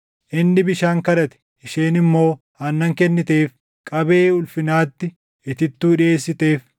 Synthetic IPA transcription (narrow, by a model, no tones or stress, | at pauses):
ʔɪnːɪbɪʃaːŋkɐᶑɐt̪ɛ̥ʔɪʃeːnɪmːo̞ː | hɐnːɐŋkɛnːɪt̪e̞ːf | kʼɐbe̞ːʊlfɪnaːt̪ːɪ | ɪt̪ɪt̪ːuːᶑɪeːsːɪt̪e̞ːf